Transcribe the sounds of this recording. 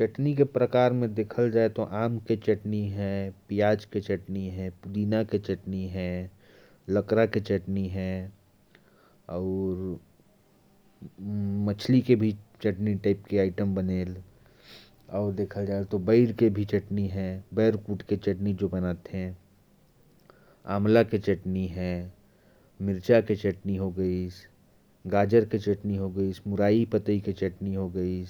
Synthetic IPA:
t͡ʃɐʈnikepɾəkaːɾmẽd̪eːkʰəld͡ʒaːet̪oʔaːmket͡ʃɐʈniɦɛ̃pijaːd͡ʒket͡ʃɐʈniɦɛ̃pʊd̪iːnaket͡ʃəʈniɦɛ̃ | ləkɾaket͡ʃəʈniɦɛ̃ | ɔːɾ | mət͡ʃʰlikebʱit͡ʃəʈniʈaɪpkeaːɪʈəmbəneːl | ɔːɾd̪eːkʰəld͡ʒaːelt̪obɐɪɾkebʱit͡ʃɐʈniɦɛ̃bɛːɾkuːʈket͡ʃɐʈnid͡ʒobɐnaːt̪eɦɛ̃ | a̰ːmlaket͡ʃɐʈniɦɛ̃ː | mɪɾt͡ʃaket͡ʃɐʈniɦoɡəis | ɡaːd͡ʒəɾket͡ʃɐʈniɦoɡəismʊɾaːipət̪əiket͡ʃɐʈniɦoɡəi

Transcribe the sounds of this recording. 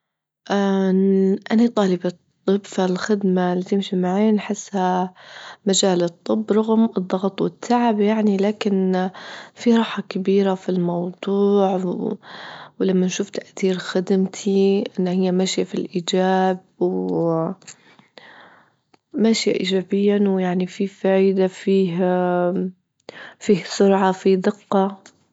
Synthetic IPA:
ʔa | ʔanit̪ˤɑːlɪbɑ | t̪ˤːɨbfalxɪd̪malːit̪ɪmʃimaʕajːnħɪsːha | mad͡ʒaːlɨt̪ˤːɨbːɾˤɑɣmɨd̪ˤːɑɣt̪ˤwɪt̪ʰːaʕɪbjaʕnilaːkɪn | fiɾˤɑːħɑkabiːɾafilmɑwd̪ˤuːʕ | wlamːanʃuːft̪aʔθiːɾxad̪ɪmt̪ʰiʔɪnːhɪjːamaʃjafilʔiːd͡ʒaːb̚w | maʃja̰ʔiːd͡ʒaːbɪjːawjaʕnififaːjd̪afiːɦ | fiːhsʊɾʕɑfid̪ɪqːɑ

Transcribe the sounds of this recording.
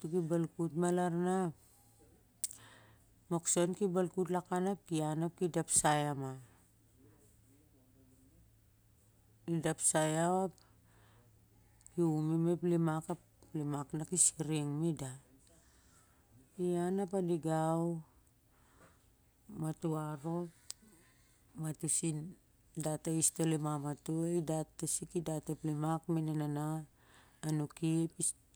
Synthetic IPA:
tukibalkutmalaɾnap̚ | moksonkibalkut̬lakanap̚kianap̚kidapsajama | idapsajawap̚ | kiumimeplimakap | limaknakisiɾiŋmida | ianapadiɡaw | matuaɾo̞ | matusin | dataistolemamatueidatːesikidateplimakmenenanaː | nukiepi

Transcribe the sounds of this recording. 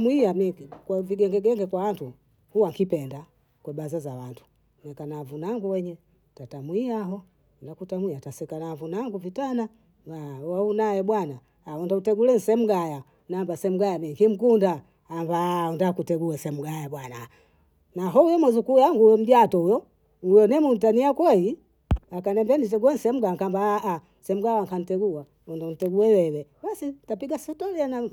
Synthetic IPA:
mwiamikwaviɡɛŋɡɛɡɛŋɡɛkwawantu | huwaŋkipɛnda | kwɛbazazawantʰu̥ | nɛkanavunaŋɡuwɛɲɛ | tatamwiaɦɔ | ndakutamwiatasɛkanavunaŋɡuvitana | baaunajɛɓwanaː | ɔndautɛɡulɛn̩sɛm̩ɡaja | nambasɛm̩ɡajamiŋkim̩kundaː | mbaɔndakutɛɡuasɛm̩ɡajaɓwana | naɦɔujɔmwɛzukujaŋɡujɛm̩ɟatɔujɔ | ujɔnɛmun̩taniakwɛi | akanɛmbɛnit̬ɛɡuwɛn̩sɛm̩ɡaŋkambaːʔa | sɛm̩ɡawaŋkanitɛɡua | ɔndanitɛɡuɛwɛlɛbasitapiɡasɛtɔliana

